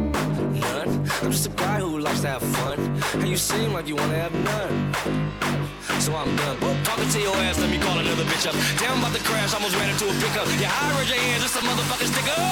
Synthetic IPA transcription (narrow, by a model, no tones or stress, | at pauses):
nʌ̃nãɪ̃md͡ʒʌstəɡaɪhulaɪkstʰɨəv̥fʌ̃nhɨjɨsĩnlaɪk̬jɨwɑ̃ñɨːvnʌ̃n | soʊãɪ̃mʌ̃nbotʰɔkɨ̃tʰijoʊɛsɨ̃mjɨkʰɔlˠɨnʌðə˞bɪt͡ʃʌp̚d̥ɛ̃ʊ̃baʊt̪̚ðɨkʰɹ̥æʃɔɪmoʊzwɛ̃ɾɪ̃ntuəpɪkʌjɨʔaɪɹɪd͡ʒɨɪ̃d͡ʒʌsʌ̃mʌðə˞fʌkɨ̃nstɪkʌ